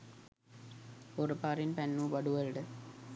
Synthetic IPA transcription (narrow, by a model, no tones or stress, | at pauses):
oɾəpaːɾinpænːuːbɐɖuʋɐlɖə